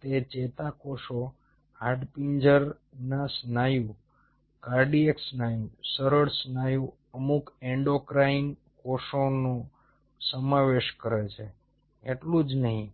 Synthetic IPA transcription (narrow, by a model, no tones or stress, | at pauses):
t̪et͡ʃet̪akoʃo | haɾɖpiɲd͡ʒəɾ | nasnajũ | kaɾɖieksnajũsəɾəɽsnajũ | əmukeɳɖokɾain | koʃono | səmaʋeʃkəɾet͡ʃʰe | eʈlũd͡ʒnəɦĩ